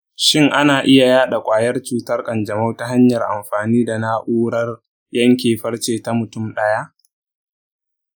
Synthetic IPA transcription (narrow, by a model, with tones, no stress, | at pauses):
ʃɪ˦ŋʔa˦naː˨ʔɪ˦ja˨jaː˦ɗa˨kʷʼaː˨jɐ˦rt͡ʃuː˨tɐ˦rkʼɐ˨nd͡ʒɐ˨ma˦wta˦ɦa˦ɲjɐ˨rʔa̰˨mɸaː˨niː˦da˨na˦ʔuː˦ɽɐ˦r | jɐ˦ŋkʲeː˨ɸɐ˦rt͡ʃeː˨ta˦mʊ˨tʊ˦mɗɐ˦ja˦ʔ